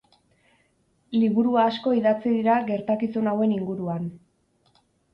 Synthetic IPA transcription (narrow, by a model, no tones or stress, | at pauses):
liβ̞uɾuaːsko̞iðat͡siðiɾaɡe̞ɾt̪akisunawe̞niŋɡuɾuan